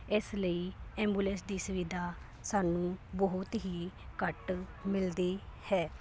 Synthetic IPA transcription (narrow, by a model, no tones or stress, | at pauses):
ɪsləiːɛ̃ːmbuːlənsd̪iːsʊʋɪd̪ʱaː | saːnũːbɔɦʊt̪ɦiːkəʈmɪld̪iːhɛː